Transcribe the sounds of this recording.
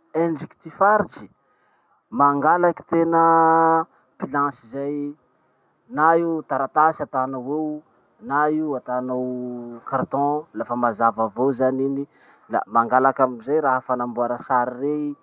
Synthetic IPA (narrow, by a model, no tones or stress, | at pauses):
eɳɖ͡ʐiki̥t̪ifaɾit͡ʃi̥ | maŋɡalaki̥t̪enə | pilãsizaj | naiwt̪aɾat̪asat̪anawew | naiwat̪anowkart̪ɔ̃lafəmazavavowzanini | la̰maŋɡalakamizajɾaɦəfanambuaɾasaɾirei